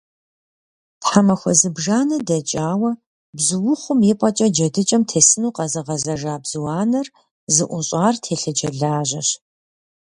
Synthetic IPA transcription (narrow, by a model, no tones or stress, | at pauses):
tħamɐxʷɔ̰zɨbʒaːnɐdɐt͡ʃʼaːwɐ | bzɨwʊχʷʊmjɪpʼɐt͡ʃʼɐd͡ʒɐdɨt͡ʃʼɐmtʰeːsɨnuːqɐzɨʁɐzɐʒaːbz̥ɨwɑːnɐr | zɨʔʷʊɕʼaːrtʰeːɬɨd͡ʒɐɮaːʑɐ̰ɕ